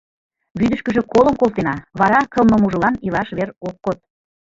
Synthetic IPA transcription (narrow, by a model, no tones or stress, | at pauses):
βyd̪ə̆ʃkə̆ʒĕkoləmkolt̪enɑβɑɾɑkəlmə̆muʒə̆lɑnilɑʃβerokːot̪̚